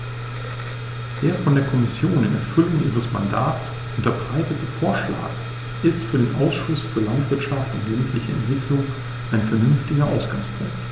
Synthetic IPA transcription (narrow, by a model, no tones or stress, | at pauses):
d̥eːɐfɔndeːɐkʰɔmɪsjoːnɪnɛɐfʏlʊŋʔḭːʁ̞əsma̰ndaːts | ʔʊntɐbʁaɪtətəfoːɐʃla̰ːk | ʔɪstfyːɐdeːnʔaʊsʃʊsfyːɐlantv̥ɪɐtʃaftʊntlɛɡ̩tʰlɪçəɛ̰ntv̥ɪklʊŋ | ʔaɪnfɛɐnʏnftɪɡɐʔaʊsɡ̥aŋspʰʊ̰ŋk̚t